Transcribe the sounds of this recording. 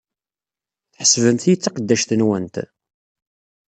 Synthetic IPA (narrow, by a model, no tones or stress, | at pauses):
θħə̥svənt̪jət͡sːaqəd̪ːæʃθənwənt̪